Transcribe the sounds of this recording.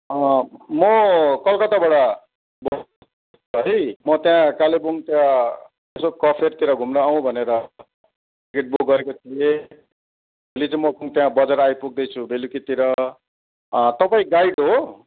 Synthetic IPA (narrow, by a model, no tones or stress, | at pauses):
ʌmʌkʌlkʌt̪abaɽa | bʌ | ɦʌjmʌt̪jãkalebuŋt̪jã | t̪esokʌpʰert̪iɾʌɡʱumnʌaw̃bʱʌneɾʌ | iɡeʈ̚bokɡʌɾekot̪ʰije | bʌlit͡saĩmʌkuŋt̪jãbʌd͡zʌɾajpuɡ̚d̪ʌjt͡sʰubʱelukit̪iɾʌ | t̪ʌpaĩɡajɽɦo